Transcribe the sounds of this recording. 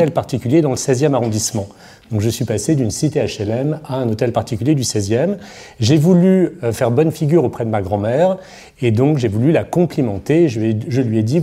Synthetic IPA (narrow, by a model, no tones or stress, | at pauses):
ɛlpaʁt̪ikʲyljed̪ɑ̃ləsɛzjɛmaʁɔ̃d̪ismɑ̃ | d̪̥ɔ̃kʒəsɥipased̪ynsit̪eaʃɛlɛmaɛ̃not̪ɛlpaʁt̪ikʲyljed̪ysɛzjɛm | ʒevulyøfɛʁbɔnfiɡʲyʁopχɛd̪əmaɡʁɑ̃mɛːʁ | ed̪ɔ̃kʒevulylakɔ̃plimɑ̃t̪eʒɛʒəlɥiɛd̪i